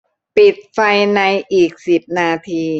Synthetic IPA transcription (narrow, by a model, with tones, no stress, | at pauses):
pi˨˩t̪̚fa˧jna˧jʔiː˨˩k̚si˨˩p̚naː˧t̪ʰiː˧